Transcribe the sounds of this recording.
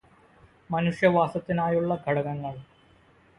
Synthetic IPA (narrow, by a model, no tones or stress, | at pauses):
mɐnuʂjɐʋaːsɐt̪ːinaːjuɭːɐɡʱɐɽɐɣɐŋːɐɭ